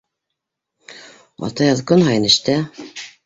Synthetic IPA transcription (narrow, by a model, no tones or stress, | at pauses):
ɑ̰t̪ɑjɑðkɤnɦɑjɤ̆nɘ̆ʃt̪æ